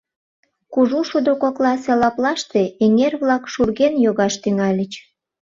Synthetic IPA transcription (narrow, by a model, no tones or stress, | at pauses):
kuʒuʃud̪okoklɑsɑlɑplɑʃt̪eeŋerβlɑkʃurɣenjoɣɑʃt̪yŋɑlʲə̆t͡ɕ